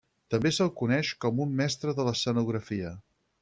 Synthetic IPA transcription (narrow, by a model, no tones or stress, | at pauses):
t̪əmbesəlˠkunɛʃkɔmumːɛst̪ɾəðələsənuɣ̞ɾəfiə